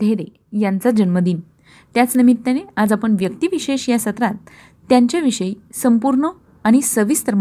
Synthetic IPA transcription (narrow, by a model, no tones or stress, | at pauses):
d̪ʱeɾe | jant͡sad͡ʑənməd̪iːn | t̪jat͡snimit̪ːenead͡zapəɳʋjək̚t̪iʋiɕeɕjasət̪ɾat̪̚ː | jãɲt͡ɕjaʋiɕəi | səmpuɾɳə | aɽ̃isəʋist̪əɾm